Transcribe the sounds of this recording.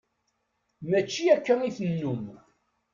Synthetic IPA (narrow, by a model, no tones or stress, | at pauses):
mæt͡ʃːiækːæniθənːum